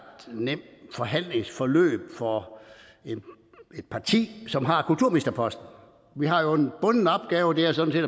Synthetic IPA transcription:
d̥nem̰d̥fɒ̽ɦæn̰le̝ŋsfɒlø̰ːb̥fɒ | e̝n | e̝d̥̚pʰɑ̈t͡sʰḭːsɒ̽mɦɑ̈kʰult͡sʰuɐ̰mnesd̥ɐpʰɒ̽sd̥n̩ | ʋiɦɑ̈jo̝e̝nb̥ɔ̽nənəɒ̽b̥̚ɡ̥ɛːʊəd̥e̝æɐsɒ̽n̩se̝ːd

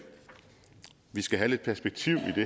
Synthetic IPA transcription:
ʋisɡ̥æɦæle̝d̥̚pʰæɐsb̥eɡ̥̚t͡sʰiʊ̰id̥e̝

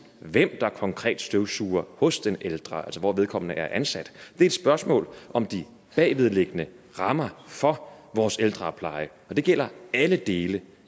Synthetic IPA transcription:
ʋem̰d̥ɑ̈kʰɒ̽ŋkʰʁɛ̰ːd̥sd̥øʊsuːɐhɔ̽sd̥eneld̥ʁɑælsɒʋɒːʋe̝ð̞ˠkʰɒ̽m̰nəʔæɐʔænsæd̥d̥e̝ɐed̥sb̥ɶɐsmɔ̰ːlʔɒ̽md̥i | b̥ɛ̰ːʋið̞ˠleɡ̥ənə | ʁɑ̈mɐfɒ̽ʋɒːseld̥ʁɑ̈pʰlɑ̈ɪə | ɒ̽d̥e̝ɡ̥el̰ɐæləd̥e̝ːlə

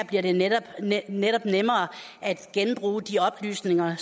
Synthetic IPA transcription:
b̥liɐɾde̝nedɒb̥neɾ̥ɒ̽b̥nemɐː | ʔæd̥ɡ̥enb̥ʁṵːd̥iɒ̽b̥ly̰ːsne̝ŋɐ

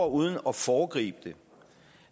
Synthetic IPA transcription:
ɐuð̞ˠən̩ɒ̽fɒːɡ̥ʁḭːb̥̚d̥e̝

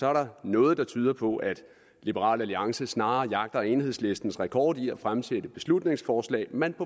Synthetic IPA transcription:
sɒ̽æɐɾɑ̈nɔ̽ːð̞̩ˠd̥ɑ̈t͡sʰy̞ːɐpʰɒ̽ʔæd̥ | lib̥əʁɑ̰̈ːlæliɑ̈ŋsəsnɑ̈ːɐjɑ̈ɡ̥̚d̥ɐe̝nhe̝ð̞̰ˠsle̝sd̥n̩sʁɛkʰɒ̰ːd̥iæfʁamsed̥əb̥e̝slud̥ne̝ŋsfɒːslɛ̰ːmenpʰɒ̽

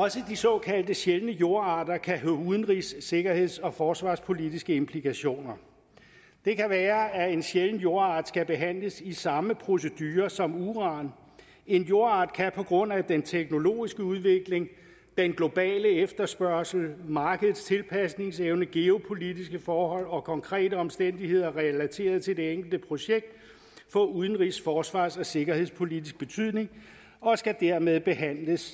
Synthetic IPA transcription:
ɒ̽səd̥isɒ̽kʰæl̰d̥əɕelənəjo̝ɐɑ̈d̥ɐkʰæɦøuðˠn̩ʁisːe̝ɡ̥ɐhe̝ð̰ˠsɒ̽fɒːsʋɑ̈ːspʰo̝lid̥isɡ̥əe̝mpʰlikʰæɕo̝̰ːnɐ | d̥e̝kʰæʋæːɐæe̝nɕelən̩jo̝ɐɑ̈ːd̥sɡ̥æb̥e̝ɦæn̰ləsisɑ̈məpʰʁo̝s̬əd̥yːɐsɒ̽muːʁɑ̈n | e̝njo̝ɐɑ̈ːd̥kʰæpʰɒ̽ɡ̥ʁɔ̽n̰æd̥ent͡sʰeɡ̥no̝lo̝̰ːisɡ̥əuð̞ˠʋe̝ɡ̥le̝ŋ | d̥enɡ̥lo̝b̥ɛ̰ːləefd̥ɐsb̥ɶɐ̰sl̩mɑ̈ːɡ̥əð̩ˠst͡sʰe̝lpʰæsne̝ŋseʊnəɡ̥e̝o̝pʰo̝lidisɡ̥əfɒːhɒ̽l̰ɒ̽kʰɒ̽ŋkʰʁɛ̰ːdəɒ̽msd̥en̰d̥ihe̝ð̞̰ˠɐʁɛlæt͡sʰe̝̰ːɐð̞̩ˠt͡sʰeld̥e̝eŋ̰ɡ̥l̩d̥əpʰʁo̝ɕeɡ̥̚d̥ | fɒ̽uð̞ˠn̩ʁisfɒːsʋɑ̰̈ːsɒ̽se̝ɡ̥ɐhe̝ð̰ˠspʰo̝lidisɡ̥̚b̥e̝t͡sʰyð̰ˠne̝ŋ | ɒ̽sɡ̥æd̥æɐ̰með̞ˠb̥e̝hæn̰ləs

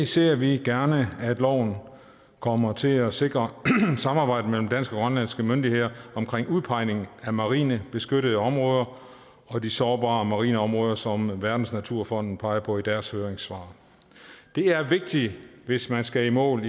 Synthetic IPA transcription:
se̝ɐ̰ʋiɡ̥æɐnəæd̥lɒ̰ʊ̰n̩ | kʰɒ̽mɐt͡sʰe̝læse̝ɡ̥ʁɐsɑ̈mɑ̈ːb̥ɑ̈ɪ̰d̥əmel̰m̩d̥æn̰sɡ̥ə̽ɡ̥ʁɶnlæn̰sɡ̥əmønd̥ihe̝ð̞̰ˠɐɒ̽mkʰʁeŋ̰uðˠpʰɑ̈ɪ̰ne̝ŋ̩æmɑ̈ʁḭːnəb̥e̝sɡ̥øɾəð̞̩ˠəɒ̽mʁɔ̽ːð̞ˠɐ | ɒ̽d̥isɒːb̥ɑ̈ːmɑ̈ʁḭːnəɒ̽mʁɔ̽ːð̞ˠɐsɒ̽mʋæɐd̥n̩snæt͡sʰuɐ̰fɒ̽n̰d̥n̩pʰɑ̈ɪɐpʰɒ̽id̥æɐshøːɐʁeŋsʋɑ̰̈ː | d̥e̝æɐʋe̝ɡ̥̚d̥iʋe̝smænsɡ̥æimɔ̰̽ːl

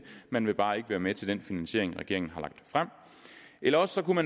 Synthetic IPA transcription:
mænʋe̝b̥ɑ̈ːe̝ɡ̥əʋæːɐmet͡sʰe̝ld̥enfinænsɕe̝ɐ̰eŋʁɛɡ̥e̝ɐ̰eŋn̩ɦɑ̈lɑ̈ɡ̥̚d̥fʁam̰ | ʔelɐɒ̽ssɒ̽kumæn

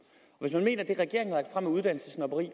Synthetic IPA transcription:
ɒ̽ʋesmænme̝̰ːnɐd̥e̝ʁɛɡ̥e̝ɐeŋn̩hlɑ̈ɡ̥̚d̥fʁamæuð̞ˠd̥æn̰l̩səsnɑbəʁḭː

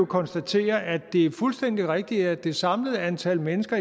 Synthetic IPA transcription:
okʰɒ̽nsd̥æt͡sʰe̝̰ːɐʔæ̥e̝fulsd̥en̰d̥iʁɛɡ̥̚d̥iæɐd̥e̝sɑ̈mləð̩ˠænt͡sʰæl̰menəsɡ̥ɐ

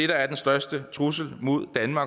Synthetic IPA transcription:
eɾ̥ɐæɐd̥ensd̥ɶɐsd̥ət͡sʰʁusəl̩mo̝ð̞̰ˠd̥ænmɑ̈ːɡ

